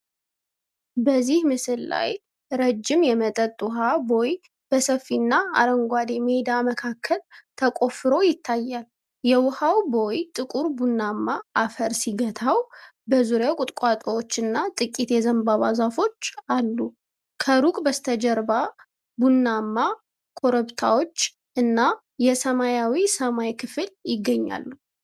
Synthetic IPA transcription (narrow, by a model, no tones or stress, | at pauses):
bəzːihmɨsɨlla̰j | ɾəd͡ʒːɪmjɛmət̪ʼət̪ʼʊɦabo̞j | b̥əsəfːinːaa̰ɾəŋɡʷad̪emed̪aməkʰakʰːəlt̪ʰəkʼo̞fɨɾo̞jɪt̪ʰːajːal | jɛwʊhawbo̞jt̪ʼɨkʼuɾbunːamːaafəɾsiɡət̪ʰawbəzuɾjawkʼʊt̪ʼkʷʼat̪ʼowot͡ʃːɨnːat̪ʼɨkʼːit̪jɛzəmbaβazafo̞t͡ʃːalːu | kʰəɾukʼbəst̪ʰəd͡ʒəɾba | bunːamːa | kʰo̞ɾəbt̪ʰa̰wo̞t͡ʃː | ʔɨnːa | jɛsəmajawisəmajkʰɨfɨljɪɡːəɲːa̰lːu